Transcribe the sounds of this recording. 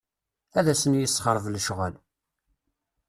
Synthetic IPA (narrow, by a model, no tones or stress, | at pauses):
æðæsənjəsːχəɾˤəvlʃʁəl